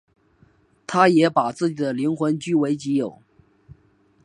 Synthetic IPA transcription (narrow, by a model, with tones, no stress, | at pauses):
t̪ʰa˥jɛ˧˥pa˨˩t͡sɹ̩˥˩t͡ɕi˨˩d̪ə˦li˧˥nxwə˧˥nt͡ɕy˥we˧˥ɪt͡ɕi˧˥jo˨˩˦ʊ